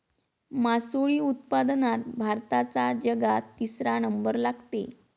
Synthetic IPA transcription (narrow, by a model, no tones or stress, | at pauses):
masoɭiːut̪̚pad̪nat̪̚bʱaɾt̪at͡sad͡ʑəɡat̪ːisɾanəmbəɾlaɡt̪ḛ